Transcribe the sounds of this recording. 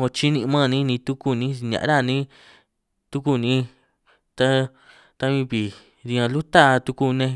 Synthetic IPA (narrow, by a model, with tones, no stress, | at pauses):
o˧t͡ʃi˦nĩ˧mã˦˨nĩ˦nĩ˧t̪u˦ku˧nĩ˦˧ɲã̰˨˧ɾa˦˨nĩ˦ | t̪u˦ku˧˨nĩ˦ | t̪a˦ | t̪a˧βĩ˧βi˨ | ði˧ã˧lu˦t̪a˦˧t̪u˧ku˧nẽ˧